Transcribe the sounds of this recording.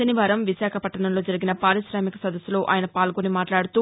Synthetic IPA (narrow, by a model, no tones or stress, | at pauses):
ɐniʋaːɾɐmʋisaːkʰɐpɐʈːɐɳɐmlo̞ːd͡ʒɐɾiɡinɐpaːɾiʃɾaːmikɐsɐd̪ɐsːulo̞ːʔa̰ːjɐnɐpaːlɡonimaːʈlaːɽut̪uː